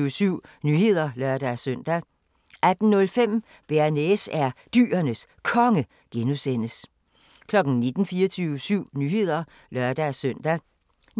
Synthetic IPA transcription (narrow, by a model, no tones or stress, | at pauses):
syʊ̰nyːhe̝ð̞̰ˠɐlɶɐd̥æsœn̰d̥æ | ʔæd̥n̩nɔ̽lfem̰ | b̥eɐnesæɐd̥y̰ːɐnəs | kʰɒ̽ŋə | ɡ̥enusen̰əs | kʰlɒ̽ɡ̥n̩ne̝d̥n̩fiːɐt͡sʰyʊsyʊ̰nyhe̝ð̞̰ˠɐ | lɶɐ̰d̥æsœn̰d̥æ